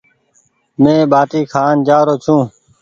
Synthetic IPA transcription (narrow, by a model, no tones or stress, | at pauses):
mẽːbaːʈiːkʰaːnd͡ʒaːɾoːt͡ʃʰũː